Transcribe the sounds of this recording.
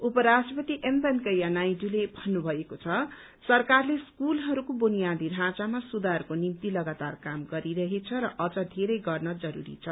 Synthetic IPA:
upʌɾasʈʌpʌt̪iʔemp̪ʌnkʌjanajdulebʱʌnːubʱʌekot͡sʰʌ | sʌrkarleskulɦʌɾukobunijad̪iɾʱãt͡samasud̪arkonimt̪ilʌɡat̪arkamɡʌɾiɾʌɦet͡sʰʌɾʌʔʌd͡zʌd̪ʱeɾʌjɡʌrnʌd͡zʌɾṵɾḭt͡sʰʌ

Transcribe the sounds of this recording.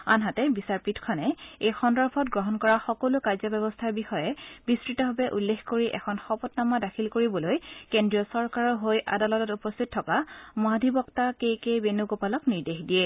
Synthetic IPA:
a̰nɦatɛbisaɹpitkʰɔnɛejxɔndɔɹpʰɔtɡɹɔɦɔnkɔɹaxɔkolʊkaɹzɔbɛbɔstʰaɹbixɔjɛbiskɹitɔɦɔbɛʔulːexkoɹiʔɛ̰kʰɔnxɔpɔtnamadakʰilkoɹibɔlojkendɹijɔsɔɹkaɹɔɦojʔa̰dalɔtɔtupɔstʰit̚tʰːɔkamadʱibɔktakejkejbenukopalɔkniɹdexdijɛ

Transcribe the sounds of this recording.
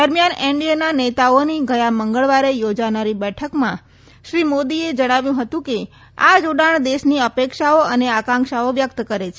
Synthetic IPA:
d̪əɾmjaneɳɖiananet̪aoniɡʱəjaməŋɡəɭʋaɾejod͡ʒanaɾibɛʈʰəkmã | ʃɾimod̪ied͡ʒəɽ̃aʋjũɦət̪ũke | a̰d͡ʒoɽaɳ̃d̪eʃniəpekʃaoəneakãŋkʃaoʋjək̚t̪kəɾet͡ʃʰe

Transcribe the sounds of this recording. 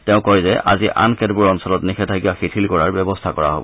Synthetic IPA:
tɛʊ̃kɔjzɛʔa̰ziʔa̰nkɛdbuɹɔnsɔlɔtnixʰɛtʰakibaxitʰilkɔɹaɹbjɔbɔstʰakɔɹa̰ɦo̰bɔ̰

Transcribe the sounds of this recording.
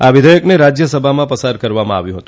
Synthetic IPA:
aʋɪd̪ʱəjəkneɾad͡ʒjəsəbʱamãpəsaɾ̚kəɾʋamãa̰ʋjũɦət̪ũ̥

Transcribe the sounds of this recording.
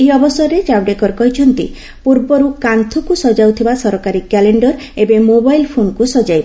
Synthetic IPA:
eɔbɔsɔɾɾed͡ʒabɖekɔɾkɔɦit͡ʃʰɔnt̪ḭ | puɾbɔɾukant̪ʰɔkusɔd͡ʒawt̪ʰibasɔɾɔkaɾikɛleɳɖɔɾ | ebemobajlpʰonkusɔd͡ʒajb

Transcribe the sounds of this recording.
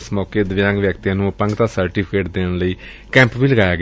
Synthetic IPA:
smɔːkeːd̪əʋjãːŋɡʋjəkt̪ijãːnũːəpəŋɡt̪ãːsəɾʈiːpʰkeːʈ̚d̪eːɳləiː | kɛ̃ːmpʋiːləɡaːjaːɡ

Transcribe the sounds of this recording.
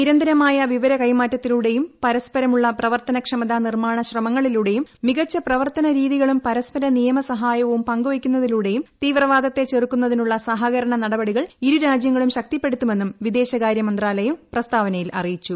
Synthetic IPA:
niɾɐnd̪ɐɾɐmaːjɐʋiʋɐɾɐkɐjmaːtːɐt̪ːiluɽe̞jumpɐɾɐspɐɾɐmuɭːɐprɐʋɐrt̪ɐnɐkʂɐmɐd̪anirmaːɳɐɕrɐmɐŋːɐɭiluɽe̞jumːiɣɐt͡ɕːɐprɐʋɐrt̪ɐnɐɾiːðiɣɐɭumpɐɾɐspɐɾɐnijɐmɐsɐɦaːjɐʋumpɐŋɡuʋikʲːunːɐðiluːɽe̞jumt̪iːʋrɐʋaːd̪ɐt̪ːe̞t͡ɕerkːunːɐðinuɭːɐsɐɦɐɣɐɾɐɳɐnɐɽɐbɐɽiɣɐɭiɾuɾaːd͡ʑjɐŋːɐɭumɕɐk̚t̪ipːe̞ɽut̪ːume̞nːumʋid̪e̞ːɕɐkaːɾjɐmɐnd̪raːlɐjumprɐst̪aːʋɐnɐjilʔɐ̰rijit͡ɕːu

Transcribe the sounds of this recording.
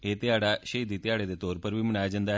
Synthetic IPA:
et̪iaɽaɕed̪it̪jaɽet̪et̪oːɾpəɾʋimɳaːd͡ʒɐnd̪a

